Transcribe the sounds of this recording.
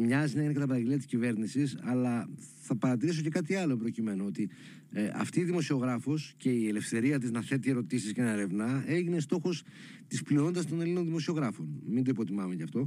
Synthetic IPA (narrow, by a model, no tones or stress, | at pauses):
mɲɐzinɐeʝinekɐt̪ɐpɐɾɐɟeliɐt̪i̥scive̞ɾnisisɐlɐθɐpɐɾɐt̪iɾisoce̞kɐt̪iɐlo̞embɾo̞cime̞noot̪i | ɐ̰ft̪iːðimo̞sio̞ɣɾɐfo̞sce̞iele̞fθe̞ɾiɐt̪iznɐθe̞t̪ie̞ɾo̞t̪isiscenɐeɾe̞vnɐe̞ʝinest̪o̞xo̞st̪isplio̞nd̪ɐst̪o̞nelino̞nðimo̞sio̞ɣɾɐfo̞nmind̪o̞ipo̞t̪imɐmeʝɐft̪o̞